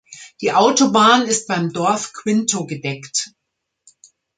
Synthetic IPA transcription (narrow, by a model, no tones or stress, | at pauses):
d̥iːʔaʊtobaːnɪst̚b̥aɪmdɔɐfkʰw̥ɪntʰoɡədɛkt